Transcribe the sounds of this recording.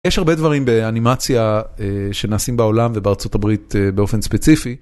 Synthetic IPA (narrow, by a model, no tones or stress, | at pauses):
jɛʃhaʁbe̞dvaʁimbe̞animat͡sjaeʃe̞naːsimbao̞lamvebeːʁt͡sotabʁit̪ebeo̞fe̞nspet͡sifi